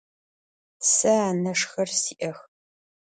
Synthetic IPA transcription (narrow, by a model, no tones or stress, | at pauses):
sɐaːnɐʂxɐrsiːʔɐx